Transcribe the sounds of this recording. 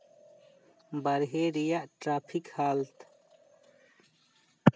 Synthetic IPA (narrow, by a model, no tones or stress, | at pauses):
bɐɾɦeːɾijaʔʈɾaːpʰikhaːlt̪